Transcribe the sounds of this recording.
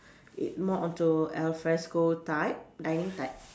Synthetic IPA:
ḭt̚mɔʔɔ̃ntuɛlfɹɛskotaɪp̚dãjnĩŋtaɪp̚

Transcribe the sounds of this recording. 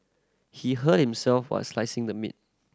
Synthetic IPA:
hiɦət̚hĩmsɛlfwa̰slaɪsɪ̃ŋdəmḭt̚

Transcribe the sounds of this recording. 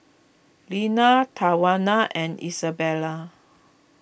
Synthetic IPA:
linat̪ʰawanaʔɛ̃nḭsabɛla

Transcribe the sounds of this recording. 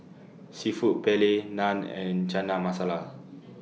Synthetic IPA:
sifuʔpɛlenãnɛ̰̃nt͡ʃanamasala

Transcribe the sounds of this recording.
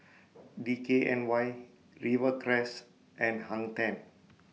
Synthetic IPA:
dikeʔɛ̃nwaj | ɹivəkɾɛs | ʔɛ̃nhãŋt̪ɛ̃n

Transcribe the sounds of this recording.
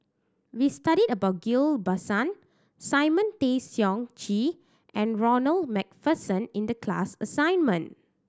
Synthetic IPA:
wistaɾidəbaʊt̚ɡilbasãn | saɪmə̃ntesjɔ̃ŋt͡ʃi | ʔɛ̃nɹɔnəlmɛk̚fəsə̃nĩndəkʰla̰səsãɪ̃nmə̃n

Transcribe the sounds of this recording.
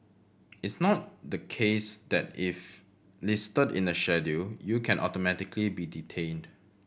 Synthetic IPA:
ɪtsnɔt̚dəkʰesd̥ɛt̚ɪf | lɪstədɪ̰̃nəʃɛdujukʰɛ̃nʔɔtomɛtɪkʰlibiditʰẽnd

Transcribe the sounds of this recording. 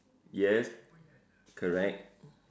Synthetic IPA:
jɛs | kʰəɹɛk̚t

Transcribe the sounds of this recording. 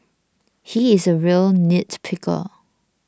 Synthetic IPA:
hiɪzəɹilˠnɪtpʰɪkʰə̰

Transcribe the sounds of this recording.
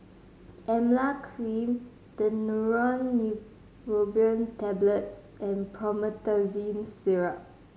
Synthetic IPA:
ʔɛmlakʰlĩm | d̥ənuɹɔ̃nːu | ɹobiə̃ntɛbləts | ʔɛ̃npʰɔmətazĩnsiɹa

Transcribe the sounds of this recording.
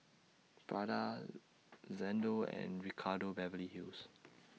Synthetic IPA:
b̥ɹada | zɛ̃ndoɛ̰̃nɹikʰadobɛvəliɦils

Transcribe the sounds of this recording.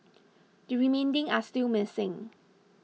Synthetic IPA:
dəɹimẽndɪ̃ŋastɪlmɪsɪ̃ŋ

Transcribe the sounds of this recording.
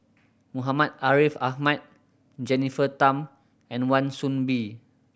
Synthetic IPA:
muɦamat̚aɹifahmat̪̚ | d͡ʒɛnifət̪ãm | ɛ̃nwãnsũnbi

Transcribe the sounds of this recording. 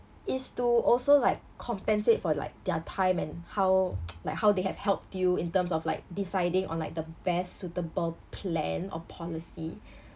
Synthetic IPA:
ʔɪstuʔɔlsolaɪkʰːɔ̃mpɛ̃nsɪtfɔla̰ɪk̚dɛtʰãɪ̃mɛ̃nhaʊwlaɪkhaʊdehɛv̥hɛlp̚tjuĩntə̃msɔflaɪk̚disaɪdĩŋʔɔ̰̃nlaɪk̚dəbɛssutəbəlpʰlɛ̃nɔ̰pʰɔlisi

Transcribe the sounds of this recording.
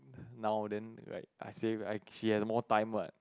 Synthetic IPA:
nawdɛ̃nɹa̰ɪt̚ʔa̰jseajʃihɛsmɔtãj̃mba̰t̚

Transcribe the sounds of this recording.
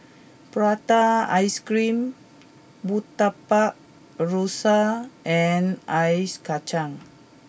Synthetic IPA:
pɾat̪aajskɾim | but̪apaʔ̚ | rosaʔɛnajskat͡ʃaŋ

